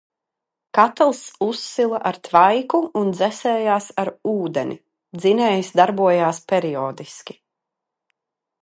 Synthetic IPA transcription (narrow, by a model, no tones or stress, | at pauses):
kat̪lˠsusːilˠaʔaɾt̪vajkuund̪zɛsɛːjaːsaɾuːd̪enʔḭ | d̪zinɛːjsd̪aɾbuɔjaːspʲɛɾiɔːd̪iskʲi̥